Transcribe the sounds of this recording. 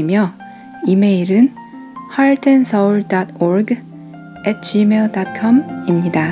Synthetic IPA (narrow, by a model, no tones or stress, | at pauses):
imjʌ | ime̞iɾɯn | haɭtʰensʰʌuɭdʌtoɾɡ | et̚t͡ɕimeɭdʌt̚kʰʌmimɲida